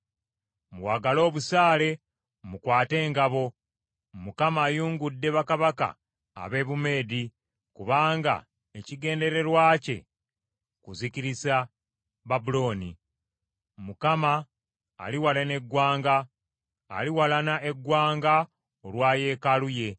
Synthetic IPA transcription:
mwaːɡalo̞ːβusaːle̞ | mukwaːte̞ːŋɡaβo̞ | mukamaːjuːŋɡudːe̞βakaβaka̰ː | βe̞ːβume̞ːdi | kuβaːŋɡa̰ | eciɡe̞ːnde̞ɾe̞ɾwaːce̞̰ | kuziciɾisa | βabulo̞ːnḭ | mukama̰ː | liwalene̞ɡwaːŋɡa̰ː | liwalanaʔeɡwaːŋɡa | olwaːje̞ːkaluje̞

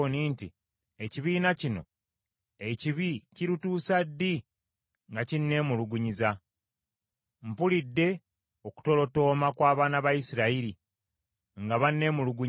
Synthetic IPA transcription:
niːnti | eciβiːnacino̞̰ | eciβiciɾutuːsadːi | ŋɡacinːe̞ːmuluɡuɲiza | m̩pulidːe̞ | oku̥to̞lo̞to̞ːmakwaːβaːnaβajisiɾaiɾi | ŋɡaβanːe̞ːmuluɡu

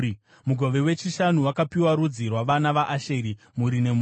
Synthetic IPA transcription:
muɡʱo̞ʋe̞wet͡ʃiʃanuwakapiwaɾud͡zirwaʋanaʋaʔaʃeɾi | muɾine̞mu

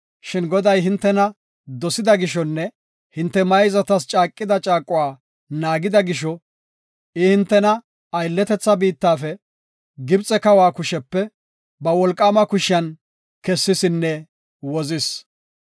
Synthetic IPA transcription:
ʃɪnɡɔd̪ɐjɦɪnt̪ːɛnɐ | d̪ɔsɪd̪ɐɡɪʃɔnːɛ | hɪnt̪ːɛmɐjzɐt̪ɐst͡ʃʼaːkʼːɪd̪ɐt͡ʃʼaːkʼːʊwaː | naːɡɪd̪ɐɡɪʃɔ | ɪhɪnt̪ːɛnɐ | ɐjlːɛt̪ɛt͡sːɐbiːt̪ːaːfɛ | ɡɪbt͡sʼːɛkɐwaːkʊʃɛpːɛ | bɐwɔlkʼːaːmɐkʊʃɪjɐn | kɛsːɪsɪnːɛ | wɔzɪs

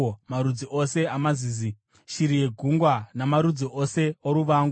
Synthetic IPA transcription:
maɾud͡ziʔose̞amaziːzi | ʃiɾijeɡʱuŋɡwanamaɾud͡ziʔose̞oɾuʋaːŋɡu

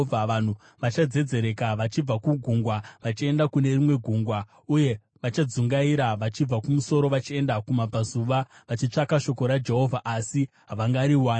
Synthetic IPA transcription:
aan̤u | ʋat͡ʃad͡ze̞d͡ze̞ɾe̞kaʋat͡ʃib͡vakuɡʱuŋɡwaʋat͡ʃie̞ndakune̞rimwe̞ɡʱuŋɡwa | uje̞ | ʋat͡ʃad͡zuŋɡaiɾaʋat͡ʃib͡vakumuso̞ɾo̞ʋat͡ʃie̞ndakumapazuʋaʋat͡ʃit͡ʂakaʃo̞ko̞ɾad͡ʒe̞ɦo̞vʱaʔasi | ɦaʋaŋɡaɾiwaːn

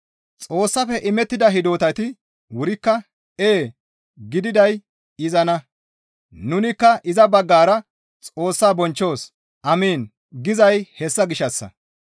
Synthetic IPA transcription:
t͡sʼo̞ːsːɐfɛʔɪmɛt̪ːɪd̪ɐɦɪd̪o̞ːt̪ɐt̪ɪ | wʊɾɪkːɐ | eː | ɡɪd̪ɪd̪ɐj | ɪzɐnɐ | nʊnɪkːɐʔɪzɐbɐɡːaːɾɐ | t͡sʼo̞ːsːaːbɔnt͡ʃːo̞ːs | ʔɐmiːn | ɡɪzɐjhɛsːɐɡɪʃːɐsːɐ̰

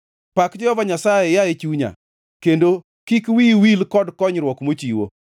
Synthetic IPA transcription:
pakd͡ʒɔɔvaɲasajejaet͡ʃuɲa̰ | kendo | kikwiwilkɔdkɔɲɾwɔkmot͡ʃiwo̰

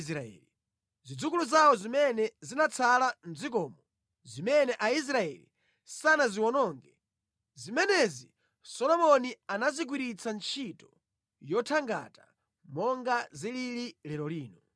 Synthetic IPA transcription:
s̬ɾaɛ̰li | zid͡zukuluzawɔzimɛnɛzinat͡sʰalan̩d͡zik̬ɔːmɔ | zimɛnɛʔais̬ɾaɛ̰lḭ | sanaziwɔnɔŋɡɛ | zimɛnɛzi | sɔlɔmɔnianazik̬wiɾit͡sʰant͡ʃʰitɔ | jɔtʰaŋɡa̰ta | mɔŋɡazilililɛɾɔliːnɔ

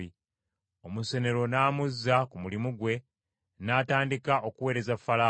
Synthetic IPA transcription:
i | o̞muse̞ne̞ɾo̞naːmuzːakumulimuɡwe̞ | naːtaːndikaʔokuwe̞ːɾe̞zafːalaː

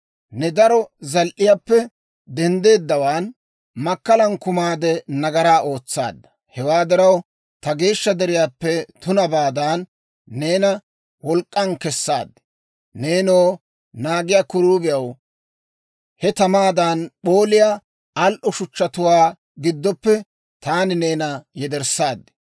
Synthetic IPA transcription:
nɛd̪ɐɾɔzɐlʔɪjaːpːɛ | d̪ɛnd̪e̞ːd̪ːɐwaːn | mɐkːɐlɐnkʊmaːd̪ɛnɐɡɐɾaːʔo̞ːt͡sːa̰ːd̪ːɐ̥ | hɛwaːd̪ɪɾɐw | t̪ɐɡe̞ːʃːɐd̪ɛɾɪjaːpːɛt̪ʊnɐbaːd̪aːnː | e̞ːnɐ | wɔlkʼːɐnkɛsːa̰ːd̪ːɪ̥ | ne̞ːnoː | naːɡɪjaːkʊɾuːbɪjɐw | hɛt̪ɐmaːd̪anɓo̞ːlɪjaː | ɐlʔɔʃʊt͡ʃːɐt̪ʊwaː | ɡɪd̪ːɔpːɛ | t̪aːnɪne̞ːnɐjɛd̪ɛɾsːaːd̪ːɛ̥

